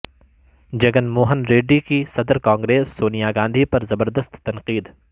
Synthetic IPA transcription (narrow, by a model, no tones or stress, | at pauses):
d͡ʒɐɡənmoːɦənɾeːɖikisɐd̪əɾkãːŋɡɾeːsːoːnijaːɡãːnd̪ʱipɐɾzɐbəɾd̪əst̪ːɐnqiːd̪